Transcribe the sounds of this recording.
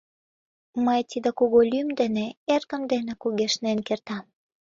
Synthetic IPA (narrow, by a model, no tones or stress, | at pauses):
məjt̪id̪ekuɣolʲymd̪eneerɣə̆md̪enĕkuɣeʃnenkert̪ɑm